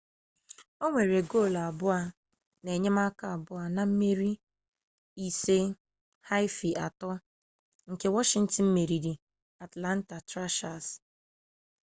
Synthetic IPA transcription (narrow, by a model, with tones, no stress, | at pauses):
o˦ŋʷe˨ɾe˨ɡo˦˨la˨bʊ˦a˦ | ne˨ɲe˦ma˦ka˦a˨bʊ˦a˨na˨m̩˦me˦ɾi˦ | i˦se˦ | ha˦ɪ˦fi˨ʔa˨tɔ˦ | ŋ̩˨ke˦wɔ˦ʃɪ˨n̩˦tɪ˨m̩˦me˨ɾi˨ɾi˨ | a˨tla˦n̩˦ta˨tɾa˦ʃa˨s